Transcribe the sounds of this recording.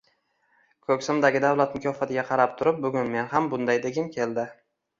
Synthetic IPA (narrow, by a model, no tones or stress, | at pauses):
kʰɵkʲsɪmd̪aɡʲɪd̪awlat̪mʊkʲʰɒfat̪ʰɪɡʲaqʰɑɾap̚t̪ʰʊɾɪp̚bʊɡʲʊnme̞nɦambʊnd̪ajd̪e̞ɡʲɪmkʲʰe̞ld̪ɪ